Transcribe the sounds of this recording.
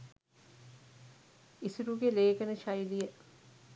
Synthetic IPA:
isuɾuɡeleːkənəʃajlijə

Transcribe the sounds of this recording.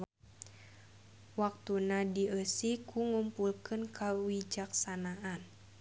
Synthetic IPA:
wak̚t̪unadiʔəsikʰuŋumpulkɨnkʰawid͡ʒaksanaʔan

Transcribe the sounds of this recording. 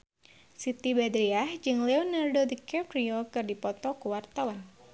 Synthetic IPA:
sit̪ibad̪ɾiahd͡ʒɨŋlɛɔnardodəkɛpɾiokɨrdipɔt̪ɔkuwart̪awan

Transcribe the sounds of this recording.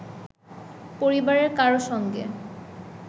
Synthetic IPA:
poɾibaɾeɾkaɾoʃɔŋɡḛ

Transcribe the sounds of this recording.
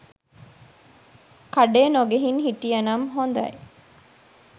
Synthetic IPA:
kɐɖeːnoɡeɦiŋɦiʈijɐnɐmɦond̪ɐ̰je

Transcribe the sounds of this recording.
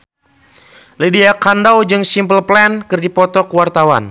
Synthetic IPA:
lidiakandawd͡ʒɨŋsimpəlplɛnkɨrdipɔt̪ɔkuwart̪awa̰n

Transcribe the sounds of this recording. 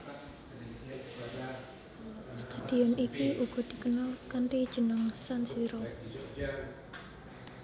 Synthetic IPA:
st̪ad̪̥iɔnikiʔuɡ̥ɔ̤d̪̥i̤kənalkant̪id̥ʒ̥ə̤nəŋsansiɾɔ

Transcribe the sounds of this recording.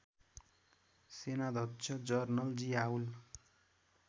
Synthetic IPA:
senad̪ʱʌt̪t͡sʰʌd͡zʌrnʌld͡ziaul

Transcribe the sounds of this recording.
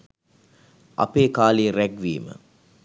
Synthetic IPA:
ʔɐ̰peːkaːliɾæɡʋḭːmə̰

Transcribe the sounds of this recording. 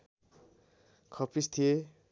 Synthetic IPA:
kʰʌpist̪ʰije

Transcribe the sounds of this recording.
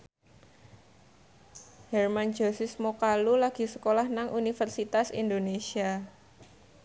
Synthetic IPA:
hɛrmand͡ʒosɪsmokalulaɡ̥i̤səkolahnaŋʔunifərsit̪asḭndonesia

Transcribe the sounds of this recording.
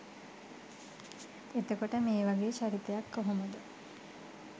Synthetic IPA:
et̪okoʈəmeːʋaɡeːʃaɾit̪ejakːoɦomud̪u

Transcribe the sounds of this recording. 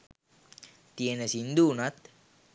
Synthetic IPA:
t̪ienəsind̪uːnat̪

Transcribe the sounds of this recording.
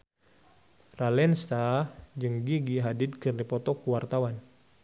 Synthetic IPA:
ralɛnsad͡ʒɨŋɡiɡiɦadid̪̚kɨrdipɔt̪ɔkuwart̪awan

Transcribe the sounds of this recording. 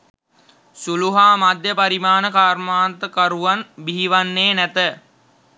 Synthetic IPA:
suluɦaːmad̪jəpaɾimaːnəkaːrmaːnt̪əkaɾuʋanbiɦiʋanːeːnæt̪ə

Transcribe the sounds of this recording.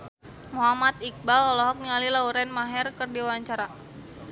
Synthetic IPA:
muɦamat̪̚ik̚balɔlɔɦɔk̚nialilauɾɛnmaɦɛrkɨrdiwaɲt͡ʃaɾa

